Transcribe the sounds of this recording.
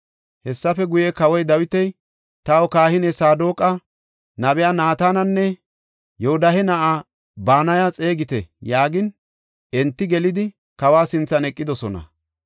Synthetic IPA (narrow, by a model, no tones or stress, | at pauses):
hɛsːɐfɛɡʊjekɐwɔjd̪ɐwɪt̪ɛj | t̪ɐwɔkaːhɪnɛsaːd̪o̞ːkʼːɐ | nɐbɛjaːnaːt̪aːnɐnːɛ | joʊd̪ɐɦɛnɐʔaː | baːnɐjat͡sʼe̞ːɡɪt̪ɛjaːɡɪn | ɛnt̪ːɪɡɛlɪd̪ɪ | kɐwaːsɪnt͡sːɐnɛkʼːɪd̪ɔsɔnɐ̰